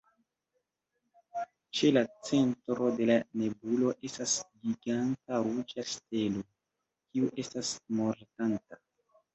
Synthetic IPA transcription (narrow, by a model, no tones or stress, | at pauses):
t͡ʃe̞lat͡se̞ntɾo̞de̞lane̞bulo̞ʔe̞stasɡiɡantaɾud͡ʒaste̞lo | kiuʔe̞stasmo̞ɾtanta